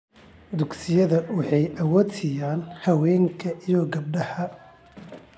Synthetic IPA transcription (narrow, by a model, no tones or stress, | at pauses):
d̪ʊɡsɪjɐðɐwɑħɑjʔɐwɔːd̪sɪjaːnhɐwɛːŋkʰɐʔijɔɡɐb̚ɖɐhɐ